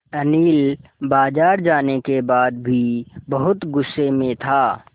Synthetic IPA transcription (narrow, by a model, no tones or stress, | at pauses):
ɐniːlbaːd͡ʒaːɾd͡ʒaːnekebaːd̪̚bʱibɐɦʊt̪ɡʊsːemẽt̪ʰaː